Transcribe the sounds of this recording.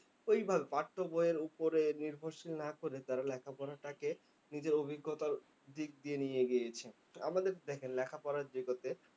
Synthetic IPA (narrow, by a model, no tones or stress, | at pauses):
ojbʱabepaʈʰːoboeeɾupoɾeniɾbʱoɾʃilnakoɾet̪aɾalɛkʰapɔɾaʈake | nid͡ʑeɾobʱiɡːot̪aɾ | d̪ik̚d̪ienijeɡejet͡ɕʰe | a̰mad̪eɾd̪ɛkʰenlɛkʰapɔɾaɾd͡ʑokot̪e